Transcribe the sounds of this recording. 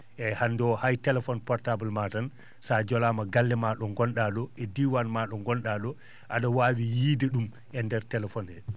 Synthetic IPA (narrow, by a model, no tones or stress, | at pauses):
ʔɛhandɔhajtɛlɛfɔnpɔɾtabalmatan | sad͡ʒɔlamaɡalːɛmaɗɔŋɡɔnɗaɗɔɛdiwanmaɗɔŋɡɔnɗaɗɔ | ʔaɗawaːwijiːdɛɗum | ʔɛndɛɾtɛlɛfɔnɛ